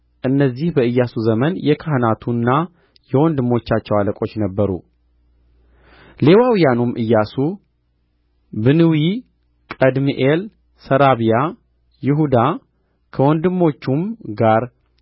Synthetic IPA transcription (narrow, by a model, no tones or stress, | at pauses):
ʔɨnːəzːihbəɨjːasuzəmənjɛkʰahnat̪ʰunːa | jɛwɔnd̪ɨmːo̞t͡ʃːat͡ʃːɛwaləkʼo̞t͡ʃːnəbːəɾṵ | le̞wawjanumʔɨjːasu | bɨnɨwi | kʼəd̪miʔel | səɾaβija | jɪɦud̪a | kʰəwɔnd̪ɨmːo̞t͡ʃːumɡaɾ